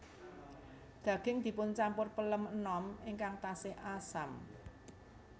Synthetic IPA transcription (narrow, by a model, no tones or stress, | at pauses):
ɡ̥ä̤ɡ̥ɪ̤ŋd̪̥i̤pʊnt͡ʃampʊrpələmənɔmɪŋkaŋt̪asɪhasam